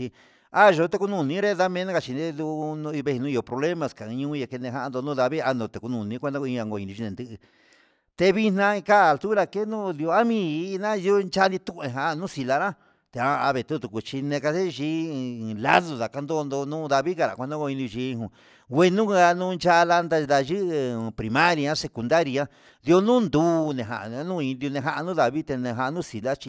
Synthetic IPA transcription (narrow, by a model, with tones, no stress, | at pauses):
i˧ | a˦ʒo˧˦t̪e˧ku˧nũ˧˨nĩ˦ɾe˦ða˦mẽ˧˦nã˦ka˧t͡ʃi˧e˦d̪u˧nũ˧i˧βe˧i˧nũ˦˧i˧o˧pɾo˧βle˦mã˧˨skã˨˧ɲũ˦˧je˧ke˧nẽ˧ɦa˧˦ʔnd̪o˧nũ˦ða˧βi˦a˧nd̪õ˧t̪e˨ku˧nũ˨nĩ˧˦kʷa˧d̪ã˦ko˧ĩ˧ã˧ɡo˧ĩ˧nĩ˧ʒi˧nẽ˨nd̪ɨ˧ʔɨ˧ | t̪e˧βi˧nã˧ĩ˧ka˦˧lt̪u˦ɾa˧ke˦nũ˦ði˧o˧a˦mĩ˧˦˧nã˦˧ju˦nt͡ʃa˦˧i˧t̪ũ˦ʔẽ˧˨ɦa˧nũ˦si˧la˧ɾã˦ | t̪e˨˧a˧a˧βe˧˨t̪u˦t̪u˨ku˧t͡ʃi˧nẽ˧ka˧se˦ʒi˧˦la̰˦ðo˧˨ða˨ka˧nd̪o˦˧nd̪o˧nũ˦ða˧βi˦ka˧ɾa̰˨kʷa˧nõ˦ɡo˧ĩ˧nĩ˧ʒi˧˦˧ɦũ˧˨ | wʷe˧nũ˦˧a˧nũ˧˦nt͡ʃa˦˧la˧nd̪a˧d̪a˧ʒɨ˦ʔpɾi˧mã˦ɾi˧ã˦se˧ku˧nd̪a˦ɾi˧ã˧ | ði˧o˧nũ˦nd̪uː˦nẽ˨ɦa̰˨ʔnũ˦ĩ˧di˧o˧nẽ˧ɦa˧ʔa˧nũ˦ða˨βi˦t̪e˧nẽ˧ɦa˧ʔnũ˦si˨la˦t͡ʃi˧